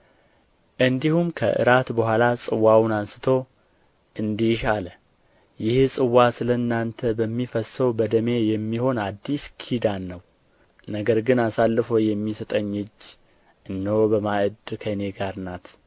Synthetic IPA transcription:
ʔɨnd̪ihumkʰə̰ʔɨ̰ɾat̪bəhʷalasʼɨwawnansɨt̪ʰo̞ | ʔɨnd̪iʃalə | jɪhsʼɨwːasɨləɨnːant̪ʰəbəmːifəsəwbəd̪əme̞jɛmːiho̞nad̪ːiskʰid̪anːəw | nəɡəɾɡɨnasalːɨfojɛmːisət̪ʼəɲːɨd͡ʒː | ʔɨnːobəmaʔɨd̪kʰəne̞ɡaɾnat̪

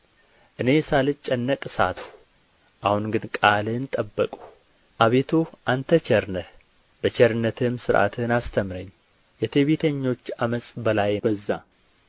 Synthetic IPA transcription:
ʔɨne̞salɨt͡ʃʼːɛnːəkʼsa̰t̪ʰu̥ | ʔahunɡɨnkʼalɨnt̪ʼəbːəkʼu̥ | ʔaβet̪ʰuʔant̪ʰət͡ʃʰɛɾnə | b̥ət͡ʃʰɛɾɨnːət̪ʰɨmsɨɾʔa̰t̪ʰɨnast̪ʰəmɾəɲː | jɛt̪ʰeβit̪ʰəɲːo̞t͡ʃːaməsʼbəlajbəzːa

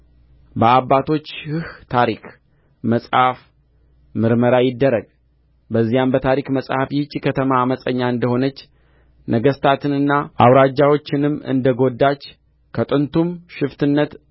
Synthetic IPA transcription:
bəabːat̪ʰo̞t͡ʃːhɨht̪ʰaɾik | məsʼhaf | mɨɾməɾajɪd̪ːəɾəɡ | bəzːijambət̪ʰaɾikməsʼhafjɪt͡ʃʼːikʰət̪ʰəmaːməsʼəɲːaɨnd̪əho̞nət͡ʃː | nʔəɡəst̪ʰat̪ʰɨnɨnːaʔawɾad͡ʒːawo̞t͡ʃːɪnɨmːɨ̰nd̪əɡo̞d̪ːat͡ʃː | kʰət̪ʼɨnt̪ʰumʃɪft̪ʰɨnːət̪

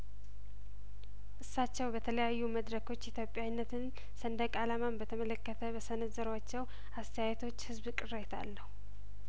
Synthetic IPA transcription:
ʔɨsːat͡ʃːɛwbət̪ʰələjajːuməd̪ɾəkʰo̞t͡ʃːit̪ʰjo̞pʼjawnːət̪ʰɨn | sənd̪əkʼalamambət̪ʰəmələkːət̪ʰəbəsənəzəɾwat͡ʃːɛw | ast̪ʰəjajɛt̪ʰo̞t͡ʃːhɨzbkʼɨret̪ʰa̰lːəhu

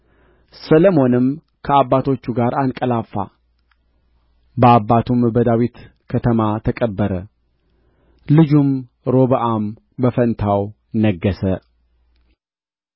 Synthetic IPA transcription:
sələmo̞nɨm | kʰəabːat̪ʰo̞t͡ʃːuɡaɾʔankʼəlafːa̰ | bəabːat̪ʰumbəd̪awit̪ | kʰət̪ʰəmat̪ʰəkʼəbːəɾə | lɨd͡ʒum | ɾo̞βəʔam | bəfənt̪ʰaw | nəɡːəsə

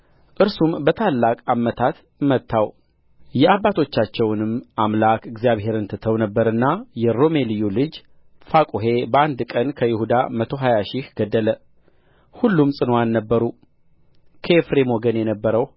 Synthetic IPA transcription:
ʔɨɾsumbət̪ʰalːakʼamət̪ʰat̪ | mət̪ʰːaw | jɛabːat̪ʰo̞t͡ʃːat͡ʃːɛwnɨmamlakɨɡzjaβhe̞ɾɨnt̪ʰɨt̪ʰəwnəbːəɾɨnːajɛɾo̞me̞lijulɨd͡ʒ | fakʼuɦe̞bəand̪kʼənkʰəjɪhud̪a̰mət̪ʰo̞ɦajaʃihɡ̥əd̪ːələ | hulːumsʼɨnoanːəbːəɾu | kʰe̞fɾe̞mo̞ɡənjɛnəbːəɾəw

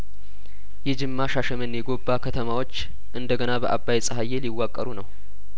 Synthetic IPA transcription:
jɛd͡ʒɨmːaʃaʃəmənjɛɡo̞bːakʰət̪ʰəmawo̞t͡ʃː | ʔɨnd̪əɡənabəʔabːajɛsʼəɦajːeliwːakʼːəɾunəw

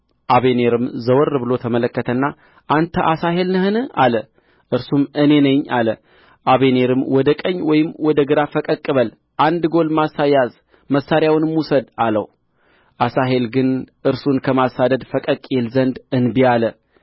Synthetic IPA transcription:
ʔaβe̞ne̞ɾɨmzəwɔrɨbɨlo̞t̪ʰəmələkːət̪ʰənːa | ʔant̪ʰəʔasaɦe̞lnɨhɨnɨalə | ʔɨɾsumɨne̞nəɲːalə | ʔaβene̞ɾɨmwɔd̪əkʼəɲːwɔjɪmwɔd̪əɡɨɾafəkʼəkʼːɨβəl | ʔand̪ɡo̞lmasajaz | məsːaɾjawnɨmusəd̪alə̰w | ʔasaɦe̞lɡɨnʔɨɾsunkʰəmasad̪əd̪fəkʼəkʼelzənd̪ɨnbialə

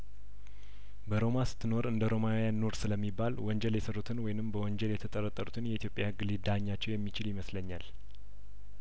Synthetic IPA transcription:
bəɾo̞mast̪ʰːɨno̞ɾɨnd̪əɾo̞majanːo̞ɾsɨləmːibːalwɔnd͡ʒɛljɛsərːut̪ʰɨnwɔjɪnɨmbəwɔnd͡ʒɛljɛt̪ʰət̪ʼəɾət̪ʼːəɾut̪ʰɨnjɛit̪ijopʼjahɨɡːlɨd̪aɲːat͡ʃːɛwjɛmːit͡ʃɪljɪməsləɲːal

